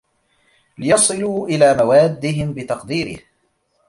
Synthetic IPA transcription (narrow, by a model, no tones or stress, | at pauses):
lɪjɑsˤɨluːʔɪlaːmawaːd̪ːɪɦɪmbɪt̪ɑqd̪iːɾɪ̰h